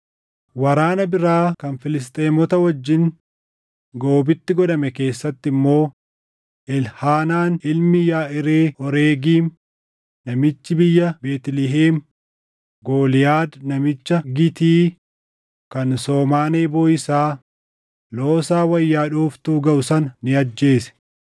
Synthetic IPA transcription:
wɐɾaːnɐbɪɾaːkɐnfɪlɪs̬t̪ʼeːmɔt̪ɐwɐd͡ʒːɪŋ | ɡoːbɪt̪ːɪɡɔᶑɐmɛke̞ːsːɐt̪ːɪmːo̞ː | ʔɪlhaːnaːnɪlmɪjaːʔɪɾeːʔɔɾeːɡiːm | nɐmɪt͡ʃːɪbɪjːɐbeːt̪lɪɦeːm | ɡo̞ːlɪjaːd̪nɐmɪt͡ʃːɐɡɪt̪iː | kɐnso̞ːmaːneːboːɪsaː | lo̞ːsaːwɐjːaːᶑuːft̪uːɡɐʔʊsɐnnɪɐd͡ʒːe̞ːsɛ̥

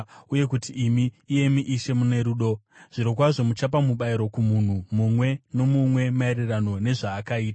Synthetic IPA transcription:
uje̞kutiːmiːje̞miʔiʃe̞mune̞ɾuɗo̞ʐ̥iɾok̬waʐo̞mut͡ʃap̬amuɓaiɾo̞kumun̤umumwe̞no̞mumwe̞maerirano̞ne̞ʐaːkaiːta

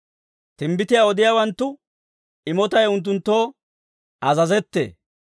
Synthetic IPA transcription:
t̪ɪmbɪt̪ɪjaɔd̪ɪjaːwɐnt̪ːʊ | ɪmɔt̪ɐjʊnt̪̬ːʊnt̪ːo̞ː | ɐzɐzɛt̪ːḛː

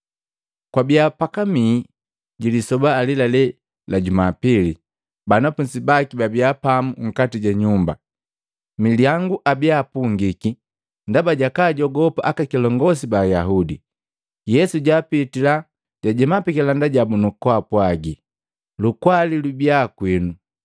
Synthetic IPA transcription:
kwabiapakamiː | ɟilisɔbaːlilalɛ | laɟumapili | banapunsibakibabiapamuŋ̩katiɟaɲumba̰ | miliaŋɡuʔabiapuŋɡiki | ndabaɟakaːɟɔɡɔpaʔakakilɔŋɡɔs̬ibajaɦudi | jɛsuɟaːpitila | ɟ̥aɟɛmapikɛlandaɟabunukwapwaɡi | lukwalilubiakwinu

